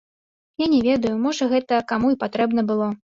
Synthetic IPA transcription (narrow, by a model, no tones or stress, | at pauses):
janʲɛvʲed̪ɐjumɔʐɐɣɛt̪ɐkamuipat̪ɾɛbnɐbɨlˠɔ